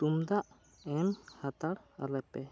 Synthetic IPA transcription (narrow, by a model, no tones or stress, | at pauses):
ʈumd̪aʔ | ɛmhat̪aɽa̰lɛpɛ